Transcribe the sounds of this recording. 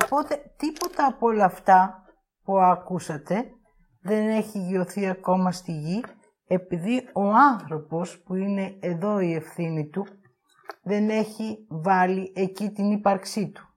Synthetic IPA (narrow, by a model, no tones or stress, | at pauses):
opo̞t̪e̞t̪ipo̞t̪ɐːpolɐːft̪ɐ | puɐkusɐt̪e̞ | ðe̞ne̞çiʝio̞θiɐko̞mɐst̪iʝi | e̞piðio̞ɐnθɾo̞po̞spuine̞eðo̞ie̞fθinit̪u | ðe̞ne̞çivɐliʔe̞cit̪inipɐɾksit̪u̥